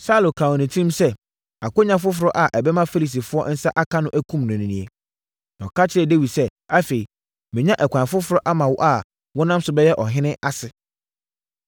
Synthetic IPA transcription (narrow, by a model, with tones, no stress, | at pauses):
sa˦lo˨kʰa˨ɔ̃˨nĩ˨tʰĩ˦msɛ˦ | a˨ko˦ɲã˦f̬ʊ˦fʊ˨ɾɔ˦ʔa˨ʔɛ˨bɛ˦mã˦fe˦li˨s̬i˨fʊ˦ɔ˦n̩˦sa˦ʔa˦kʰa˦nʊ̃˦ʔæ˦kʰũ˦mnʊ̃˨nĩ˨nĩ˨e˨ | ñ˨kʰa˦t͡ɕʰɪ˦ɾɛ˨de˦wi˨sɛ˦a˦fe˨i˨ | mɪ̃˨ɲã˦ʔɛ˨kʰʷãː˨fʊ˦fʊ˨ɾɔ˦ʔa˦mã˨wɔ̰˦ʔa˨ | wɔ̃˦nã˦msʊ˨˦bɛ˦jɛ˦ʔɔ˨ɦɪ̃˦nɪ̃˦ʔa˦sɪ˨